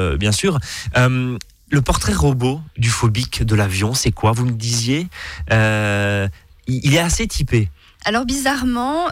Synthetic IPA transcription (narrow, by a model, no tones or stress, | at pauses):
bjɛ̃syːʁøm | ləpɔʁt̪χɛʁobod̪yfɔbikd̪əlavjɔ̃sɛkwavuməd̪izjeø | iilɛaset̪ʰipe | alɔʁbizaʁmɑ̃